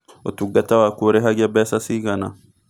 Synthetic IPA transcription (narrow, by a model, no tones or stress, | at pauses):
ot̪uɡɐt̪ɐwakuɾeɦaɡabɛːsasiːɡɐna